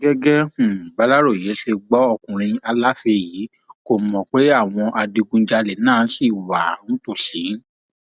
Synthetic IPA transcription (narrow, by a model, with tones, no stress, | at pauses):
ɡɛ˦ɡɛ˦ũ˨ba˨˦la˦ɾo˦˨je˨˦ʃe˧ɡ͡bɔ˨˦ɔ˧kũ˨ɾ̃ĩ˧a˧la˦fe˧jiː˨˦ | ko˦˨mɔ̃˨k͡pe˨˦a˦˨w̃ɔ̃˧ʔa˧di˧ɡũ˧˦d͡ʒa˧lɛ˨nãː˦˨˦si˦˨wa˨ñ̩˦to˦˨ʃi˨˦